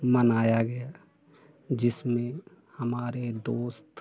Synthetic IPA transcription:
mənaːjaɡɐja | d͡ʒɪsmẽ | hɐmaːɾed̪oːst̪

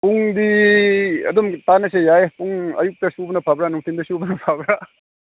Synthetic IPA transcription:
puŋdi | ɐ̰d̪umtanɐsejaepuŋɐ̰juk̚tɐsubɐnɐpʰabɾanuŋtʰindɐsubɐnɐpʰabɾa

